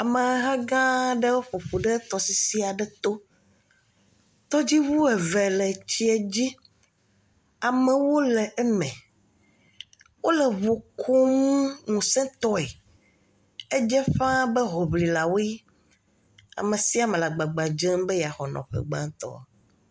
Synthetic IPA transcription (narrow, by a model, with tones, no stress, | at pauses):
a˨mɛ˨˦ɦa˦ɡã˦ɖe˦wo˦ɸo˨ɸo˨ɖɛ˦t̪ɔ˨si˦si˦a˨ɖɛ˦t̪o˦ | t̪ɔ˦d͡ʑi˦wu˦ɛ˨vɛ˨lɛ˨t͡ɕi˦ɛ˨d͡ʑi˦ | a˨mɛ˨wo˦lɛ˨ʔɛ˦mɛ̃˨ | wo˦lɛ˨βo˨kʰo˦ŋũ˦ŋũ˨sɛ̃˦t̪ɔ˦e˨ | e˦d͡ʒɛ˦ɸã˦bɛ˦ɦɔ˨bli˨la˨wo˦i˦ | a̰˨me˨si˦a˨mɛ̃˨la˨ɡ͡ba˨ɡ͡ba˨d͡ʒẽ˦mbɛ˦ja˨xɔ˨nɔ̰̃˨ɸɛ̰˨ɡ͡bã̰˦ŋ˦t̪ɔ̰˦˨